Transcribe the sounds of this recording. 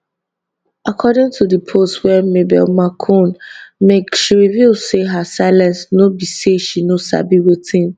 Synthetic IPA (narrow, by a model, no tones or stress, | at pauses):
akʰɔdɪ̃ŋtʰudəpʰostwɛmebɛ̰lmakʰõnmekʃiɹivilseɦasaɪlãnsnobiseʃinosa̰biwetʰɪ̃n